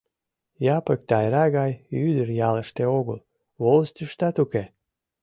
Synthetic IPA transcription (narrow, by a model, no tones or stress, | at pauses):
jɑpəkt̪ɑjɾɑɣɑjyd̪ərjɑlə̆ʃt̪eoɣəl | βolst̪ʲəʃt̪ɑt̪uke